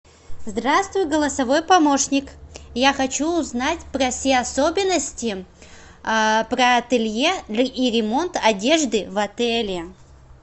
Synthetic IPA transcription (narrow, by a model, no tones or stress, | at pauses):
zd̪ɾast̪vʊjʊɡəlˠəsɐvo̞jpɐmo̞ʂnʲɪkjaxɐt͡ɕuːznatʲpɾɐfsʲeɐsobʲɪnːəsʲtʲɪ | pɾəɐt̪ɨlʲjeiɾʲɪmo̞nt̪ɐdʲe̞ʐd̪ɨvɐt̪ɛlʲɪ